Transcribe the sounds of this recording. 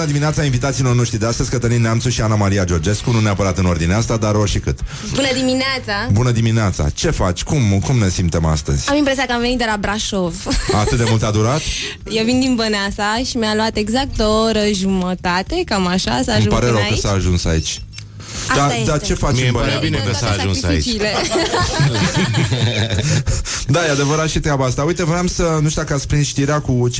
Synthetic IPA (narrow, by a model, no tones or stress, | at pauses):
nəd̪imineat̪sainvit̪at̪siːlo̞rno̞ʃt̪ɾid̪east̪əzʲkət̪əninneamt̪suʃianamaɾiad͡ʒo̞rd͡ʒe̞skununeapəɾat̪ɨno̞rd̪ineast̪ad̪aɾorʃikɨt̪ | bunəd̪imineat̪sabunəd̪imineat̪sa̰t͡ʃe̞fat͡ʃʲkumkumne̞simt̪e̞ma̰st̪əz̥ʲamimpɾesʲiakəamve̞nit̪d̪elabɾaʃovaat̪ɨt̪̚d̪emult̪ad̪uɾat̪ | jevind̪inbənasaʃimʲaluat̪eɡzak̚t̪oɾəʒumət̪at̪ekamaʃasamũpaɾeɾəwkəsaːʒunsa̰ḭt͡ʃʲ | d̪ad̪at͡ʃefat͡ʃɨ̃bəebineksaʒunsisa̰ḭt͡ʃile | d̪aead̪evəɾat̪ʃit̪eabast̪aujt̪əvəɾamsənuʃt̪akaspɾinʃt̪iɾeakut͡ʃ